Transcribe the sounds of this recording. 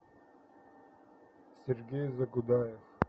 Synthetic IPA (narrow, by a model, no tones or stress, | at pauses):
siɾɡeːzɐɡʊd̪aːjex